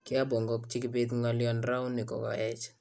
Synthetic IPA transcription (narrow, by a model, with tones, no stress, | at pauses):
kɪ˦a˦bo˨ŋɡɔ˦k̚t͡ʃɪ˦kɪ˦bet̪ŋaljɔnɾa˦ʊ˦nːɪ˨kɔ̰˨kɔ̰˨ɛ˦t͡ʃ